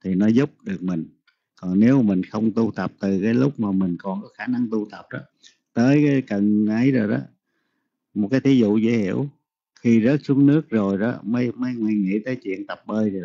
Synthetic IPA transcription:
t̪ʰi˨˩nɔ˨˦zʊ˦˥p̚ɗɨ˨˩ək̚mï˨˩ŋ̟ | kɔ˨˩ŋne˨˦wmï˨˩ŋ̟xə˧wŋ͡mt̪u˧t̪ə˨˩p̚t̪ɨ˨˩kaː˨˦jlʊ˦˥k͡p̚maː˨˩mï˨˩ŋ̟kɔ˨˩nkɔ˨˦xaː˧˩na˧ŋt̪u˧t̪ə˨˩p̚ɗɔ˨˦ | t̪əː˨˦jkaː˨˦jkə˨˩nʔə˨˦jzo˨˩jɗɔ̰˨˦ | mo˨˩t̚kaː˨˦jt̪ʰi˨˦zṵ˧˨zḛ˧˦hḭ˧˨əw | xi˧zə˦˥t̚su˨˦əŋnɨ˦˥ək̚zo˨˩jɗɔ˨˦mə˨˦jmə˨˦jŋa˧˩jŋḭ˧˥t̪əː˨˦jt͡ɕwḭ˧˨ənt̪ə˨˩p̚ɓəː˧jzo˨˩

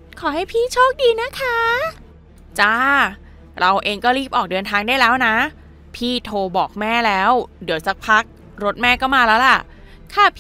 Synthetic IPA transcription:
kʰɔː˩˦ɦa˥˩jpʰiː˥˩t͡ɕʰoː˥˩k̚diː˧na˦˥kʰa˦˥ | t͡ɕa˥˩ | ɾa˧wʔeː˧ŋkɔː˥˩ɾiː˥˩p̚ʔɔː˨˩k̚dɤː˧nt̪ʰaː˧ŋdaː˥˩jlɛː˦˥wna˦˥ | pʰiː˥˩t̪ʰoː˧bɔː˨˩k̚mɛː˥˩lɛː˦˥wdɯ˨˩˦wsa˦˥k̚pʰa˦˥k̚ | ɾo˦˥t̪̚mɛː˥˩kɔː˥˩maː˧lɛː˦˥wla˨˩ʔ | kʰaː˥˩pʰ

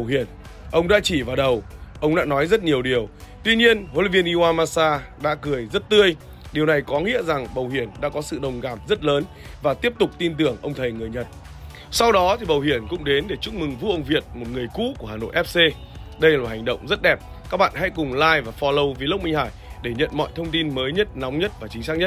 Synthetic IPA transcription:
whḭ˧˩ən | ʔə˧wŋ͡mɗa̰ː˧˥t͡ɕi˧˩vaː˨˩ɗə˨˩wʔə˧wŋ͡mɗa̰ː˧˥nɔ˨˦jzə˦˥t̚ɲi˨˩əwɗi˨˩əw | t̪wi˧ɲi˧ənho˧li˨˧vi˧nʔi˧waː˧maː˧saː˧ɗa̰ː˧˥kɨ˨˩əjzə˦˥t̚t̪ɨ˧əj | ɗi˨˩əwna˨˩jkɔ˨˦ŋḭ˧˥əza˨˩ŋɓə˨˩whi˧˩ənɗa̰ː˧˥kɔ˨˦sɨ̰˧˨ɗə˨˩wŋ͡mɣaː˨˩p̚zə˦˥t̚ləː˨˦n | vaː˨˩t̪i˦˥əp̚t̪ʊ˨˩k͡p̚t̪i˧nt̪ɨ˨˩əŋʔə˧wŋ͡mt̪ʰə˨˩jŋɨ˨˩əjɲə˨˩t̚ | sa˧wɗɔ˨˦t̪ʰi˨˩ɓə˨˩whi˧˩ənkʊ̰˧˥ŋ͡mɗe˨˦nɗe˧˩t͡ɕu˦˥k͡p̚mɨ˨˩ŋvṵ˧˥ʔə˧wŋ͡mvi˨˩ət̚mo˨˩t̚ŋɨ˨˩əjkṵ˧˥ku˧˩haː˨˩no̰˧˨ʔɛ˦˥p̚se˧ | ɗə˧jlaː˨˩ɦa˨˩jŋ̟ɗə̰˧˨wŋ͡mzə˦˥t̚ɗɛ˨˩p̚ | kaː˦˥k̚ɓa̰ː˧˨nɦa̰˧˥jkʊ˨˩ŋ͡mlaː˧jvaː˨˩fɔ˧lə˧wvi˨˩lə˦˥w̚k͡p̚mi˧ŋ̟haː˧˩jɗe˧˩ɲə̰˧˨nmɔ̰˧˨jt̪ʰə˧wŋ͡mt̪i˧nməː˨˦jɲə˦˥t̚na˨˦wŋ͡mɲə˦˥t̚vaː˨˩t͡ɕï˨˦ŋ̟saː˦˥k̚ɲə˦˥t̚

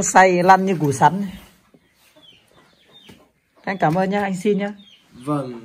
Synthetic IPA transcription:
sa˧jla˧˨nɲɨ˧ku˨˧˩sa˨˥n | ʔa˧jŋ̟kaː˧˩mʔəː˧nɲaː˧ʔa˧jŋ̟si˧nɲaː˧ | v

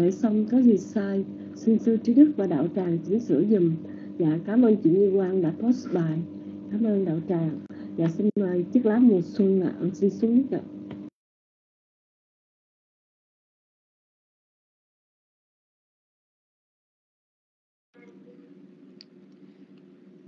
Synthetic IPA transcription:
e˧˩sɔ˧wŋ͡mkaː˨˦zi˨˩saː˧j | si˧nsɨ˧t͡ɕi˨˦ɗɨ˦˥k̚vaː˨˩ɗa̰ː˧˨˩wt͡ɕaː˨˩ŋt͡ɕi˧˦ŋsɨ̰˧˥əzi˨˩m | vaː˨˩kaː˨˦mʔəː˧nt͡ɕḭ˧˨əɲɨ˧kwaː˧nɗa̰ː˧˩jpɔ˦˥tsɓaː˨˩j | kaː˨˦mʔəː˧nɗa̰ː˧˨wt͡ɕaː˨˩ŋvaː˨˩si˧nma˧˩jt̪i˦˥ək̚laː˨˦˥mu˨˩ət̚swə˧nla̰ː˧˨si˧nsu˨˦ŋ˦˥kə̰˧˨˩

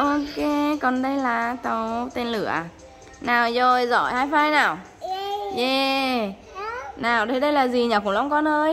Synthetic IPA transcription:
ʔɔ˧ke˨˦kɔ˨˩nɗə˧jlaː˨˩t̪ə˨˧˦wt̪e˧nlɨ˧˩əʔ | naː˨˩wzo˨˩jzɔ̰˧˩jhaː˧jfaː˧jnaː˨˩w | ɲe˧˩ | naː˨˩wɗə˨˧˦ɗə˧jlaː˨˩zi˨˩ɲaː˨˩kʊ̰˧˥ŋ͡mlɔ˧wŋ͡mkɔ˧nʔəː˧j

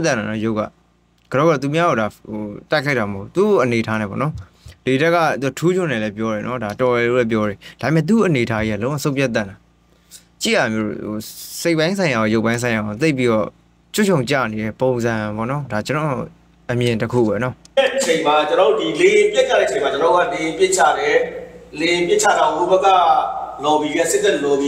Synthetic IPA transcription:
t̪ɛ̰̃˦˨na˨nɔ˦jo˦ʊʔkːa̰˦˨ | ɡ̥əɾɔ˦ɣa˦ɾɔ˦˨t̪u˨mja˦ɡo˨da˨o˨ta˦ɪkʰa˦ɪta˨məɦo˦˨ʔu˦˨t̪u˦˨ʔəne˨tʰa˦nɛ̰̃˦˨pɔ̰˨nɔ˦ | le˨dɛ˦kːa̰˦˨t̪u˨a˨tʰu˦d͡ʑʊ̃˦˨nɛ˦˨lɛ˦p̬jɔ˦ɾɛ˨nɔ˦da˨tɔ˨lɛ˨lo̰˦˨lɛ˦p̬jɔ˦ɾɛ˨d̥a˨e˨mɛ̰̃˦˨t̪̬u˨ʔəne˨ətʰa˦i˦a˦˨lõ˦ã˦˨sõ˦ʊ̃mpʰɛ˦t̪̬ã̰˦˨na˨ | t͡ɕḭ˦˨ja˨mjo˦ɾo̰˨o̰˨se˦ɪʔpːã˦ɪ̃sʰã˨ɪ̃ja˨ɔ˨jo˦ʊpã˦ɪ̃sʰã˨ja˨ɡo˨t̪̬e˦ɪpːi˦ɾɔ˦˨ | t͡ɕʰʊ˦˨t͡ɕʰõ˨ʊ̃t͡ɕa̰˦˨ne˨ɾɛ˦põ˨ʊ̃nzã˨pɔ̰˦˨nɔ˦da˨t͡ɕənɔ˨o̰˦˨ | ʔəmjɪ̃˨ntəkʰṵ˦˨bɛ̰˨nɔ˦ɛ˦ʔət͡ɕʰẽ˨ɪ̃ma˨t͡ɕənɔ˨˦o˦˨di˨le˨jɪ̃˨pjɪ˦t͡ɕʰa˦˨ɛ̰˦ʔt͡ɕʰẽ˨ma˨t͡ɕə˦nɔ˨o̥˦a˦˨le˨jɪ̃˨pjɪ˦ʔt͡ɕʰa̰˦˨dɛ˨le˨jɪ̃˨pjɪ˦t͡ɕʰa̰˦˨dã˨o˦˨bɛ˦kːa˦˨lɔ˨bi˨ɡɛ˦˨sɪ˦t̪ɛ˦˨lɔ˨bi˨

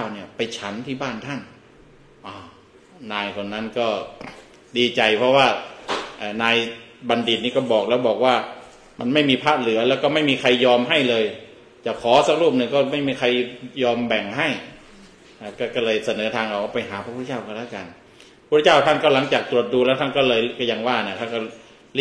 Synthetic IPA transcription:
aː˥˩wni˥˩ɐpa˧jt͡ɕʰa˦˥nt̪ʰiː˥˩baː˥˩nt̪ʰa˥˩n | ʔɔː˧˩ | naː˧jkʰo˧nːa˦˥nkɔː˥˩ | diː˧t͡ɕa˨˧jpʰɔ˦˥waː˥˩ʔaː˨˩naː˧jba˧ndi˨˩t̪̚niː˥˩kɔː˥˩bɔː˨˩k̚lɛː˦˥˩wbɔː˨˩k̚waː˥˩ | ma˧nma˥˩jmiː˧pʰaː˥˩t̪̚lɯ˩˦ɐlɛː˦˥wkɔː˥˩ma˥˩jmiː˧kʰa˧jːɔː˧mɦa˥˩jlɤː˧j | t͡ɕaː˨˩kʰːɔː˨˩˦sa˦˥k̚ɾuː˥˩p̚nɯ˧ŋkɔː˥˩ma˥˩jmiː˧kʰa˧jjɔː˧mbɛ˨˩ŋɦa˥˩j | ʔa˨˩kɔː˥˩kɔː˥˩lɤː˧jsa˧nɤː˩˦t̪ʰaː˧ŋʔa˧˩ka˧˩pa˧jɦaː˨˦pʰa˧p̪̚ʰːt͡ɕaː˥˩wka˧˩laː˦˥˩ka˧n | pʰu˥˩˧t͡ɕaː˥˩wt̪ʰa˥˩ŋkɔː˥˩la˩˦ŋt͡ɕaː˨˩k̚t̪ɾu˨˩ət̪̚duː˧lɛː˦˥wt̪ʰa˥˩nkɔː˥˩lɤː˧jkɔː˥˩ja˧ŋwaː˥˩na˧˩˨kʰa˥˩kɔ˥˩ | l

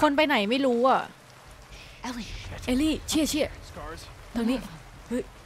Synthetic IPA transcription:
kʰo˧np̬a˧jna˨˩jma˥˩jɾuː˦˥ʔa˥˩ | ʔe˧liː˥˩t͡ɕʰi˥˩ɐt͡ɕʰi˥˩ɐ | t̪ʰo˧ŋniː˦˥ | hɯ˦˥˩

